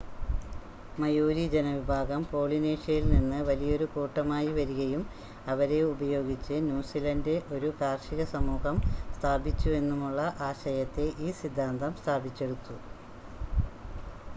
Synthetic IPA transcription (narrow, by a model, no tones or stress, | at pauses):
mɐjoːɾid͡ʑenɐʋibʱaːɡɐmpo̞ːɭine̞ːʂɐjilninːɨʋɐlijɐo̞ɾukuːʈːɐmaːjiʋɐɾuɣɐjum | ɐʋɐɾe̞ubɐjo̞ːɡit͡ɕːɨnjuːsilɐndeʔo̞ɾukaːrʂiɣɐsɐmuːɣɐmst̪ʰaːbit͡ɕːue̞nːumuɭːɐʔaːɕɐjɐt̪ːe̞ʔiːsid̪ʱːaːnd̪ɐmst̪ʰaːbit͡ɕːe̞ɽut̪ːu